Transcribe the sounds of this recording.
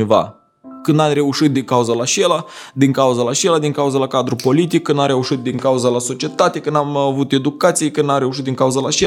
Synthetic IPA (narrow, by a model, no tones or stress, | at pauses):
eva̰ | kɨnd̪amre̞uʃit̪̚d̪iŋkauzəlat͡ʃelad̪iŋkauzəlaʃelad̪iŋkauzəlakad̪ɾupo̞lit̪ik̚ːɨnd̪amɾe̞uʃit̪̚d̪iŋkauzalaso̞t͡ʃiet̪at̪e̞kɨnamavut̪e̞d̪ukat̪sijekɨnd̪amɾe̞uʃ̬it̪̚d̪iŋkauzalat͡ʃe